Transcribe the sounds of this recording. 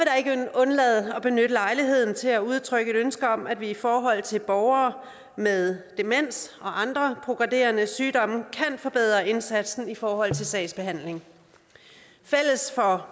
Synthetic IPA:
ʋeɾ̥ɑ̈e̝ɡ̥ɔ̽nlɛːð̞̩ˠɒ̽b̥e̝nød̥əlɑ̈ɪliɦe̝ð̞̰ˠn̩t͡sʰe̝læuð̞ˠt͡sʰʁœɡ̥əe̝ɾønsɡ̥ɐɒ̽mædʋiifɒːɦɒ̽l̰t͡sʰe̝lb̥ɒʊɐː | meðˠd̥e̝men̰sɒ̽ʔɑ̈nd̥ʁɐpʰʁo̝ɡ̥ʁɑde̝̰ːɐnəsyːd̥ɒ̽məkʰænfɒ̽b̥eð̞̰ˠʁɐe̝nsæd̥sn̩ifɒːhɒ̽l̰t͡sʰe̝lsɛ̰ɪsb̥e̝ɦæn̰le̝ŋ | fel̰əsfɒ̽

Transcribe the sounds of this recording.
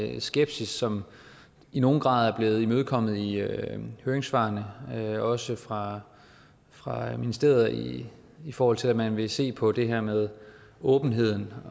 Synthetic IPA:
sɡ̥eb̥sisːɒ̽m | ino̝ːn̩ɡ̥ʁɑ̈ːð̞̩ˠæɐb̥le̝ːð̩ˠimøðˠkʰɒ̽m̰ð̞̩ˠi | høːɐeŋsfɑ̈ːnəɒ̽səfʁɑ̈ | fʁɑ̈minisd̥e̝ɐðˠɐi | ifɒːhɒ̽l̰t͡sʰe̝læmænʋe̝se̝̰ːpʰɒ̽d̥e̝ɦæɐmeð̞ˠ | ɔ̽ːb̥n̩ɦe̝ð̞̰ˠn̩

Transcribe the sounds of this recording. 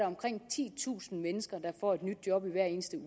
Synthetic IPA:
ɑɒ̽mkʰʁeŋ̰t͡sʰḭːt͡sʰṵːsn̩menəsɡ̥ɐd̥ɑ̈fɒ̰ːe̝d̥nyd̥̚jɒ̽b̥iʋæɐ̰e̝ːnəsd̥əu

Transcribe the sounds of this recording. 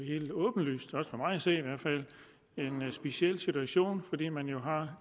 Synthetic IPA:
he̝̰ːld̥ɔ̽ːb̥n̩ly̰ːsd̥ɒ̽sfɒ̽mɑ̈ɪæse̝̰ːiʋæɐ̰d̥fæl̰ | e̝nsb̥e̝siel̰sit͡suæɕo̝̰ːnfɒ̽d̥ḭːmænjo̝ɦɑ̈

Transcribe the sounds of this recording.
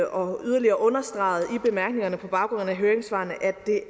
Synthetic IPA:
ʔɒ̽yðˠɐliɐːʔɔ̽nɐsd̥ʁɑ̈ɪð̩ˠib̥e̝mæɐɡ̥ne̝ŋɐnəpʰɒ̽b̥ɑ̈ʊɡ̥ʁɔ̽n̩æɦøːɐeŋsʋɑ̰̈ːnəʔæ̥e̝

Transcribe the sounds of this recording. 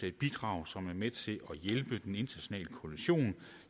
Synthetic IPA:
e̝d̥̚b̥id̥ʁɑ̈ʊsɒ̽mæɐmet͡sʰe̝lʔɒjelb̥əd̥ene̝nd̥ɐnæɕo̝nɛ̰ːləkʰoliɕo̝̰ːn

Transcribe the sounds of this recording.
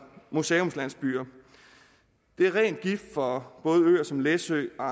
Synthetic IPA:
museːo̽mslæn̰sb̥y̰ːɐ | d̥e̝æɐʁɛ̰ːnd̥̚ɡ̥ifd̥fɒ̽b̥ɔ̽ːð̞̩ˠø̰ːɐsɒ̽mlesø̰ːɒ̽ɑ

